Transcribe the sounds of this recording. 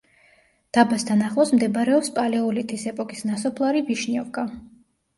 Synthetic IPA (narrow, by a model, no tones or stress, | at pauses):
d̪̥abast̪ʰanaχlˠɔsmd̪ɛbɾɛɔpspʼalɛɔlit̪ʰisɛpʼɔkʼisnasɔpʰlˠaɾibiʃniɔvkʼa